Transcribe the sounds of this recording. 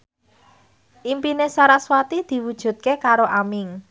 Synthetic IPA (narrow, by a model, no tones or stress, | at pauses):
ʔimpinesaɾaswat̪id̪̥i̤wud̥ʒ̥ṳt̪̚kekaɾoʔamɪŋ